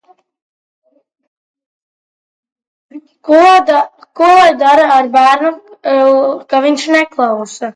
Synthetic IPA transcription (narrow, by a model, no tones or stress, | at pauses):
kujd̪aɾaːɾbæːɾnu | kaviɲʲʃnɛklˠawsa